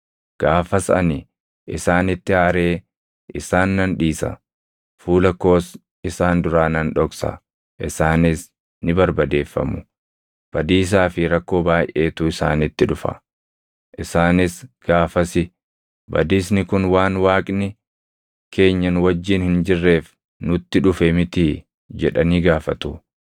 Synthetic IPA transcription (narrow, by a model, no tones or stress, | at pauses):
ɡ̥aːfɐsɐɐni | ʔɪsaːnɪt̪ːɪaːɾe̞ː | ʔɪsaːnːɐnᶑiːsɐ̰ | fuːlɐkːo̞ːs | ɪsaːnd̪ʊɾaːnɐnᶑɔksɐ̰ | ʔɪsaːnɪs | nɪbɐɾbɐd̪e̞ːfːɐ̰mʊ | b̥ɐd̪iːs̬aːfɪɾɐkːo̞ːbaːjʔe̞ːt̪ʊɪsa̰ːnɪt̪ːɪᶑʊfɐ̰ | ʔɪsaːnɪsɡ̥aːfɐsɪ | bɐ̰d̪iːsnɪkʊnwaːnwaːkʼnɪ | kʰe̞ːɲːɐnwɐd͡ʒːiːnhɪnd͡ʒɪrːe̞ːf | nʊt̪ːɪᶑʊfɛmɪt̪i | d͡ʒɛᶑɐniːɡaːfɐt̪ʊ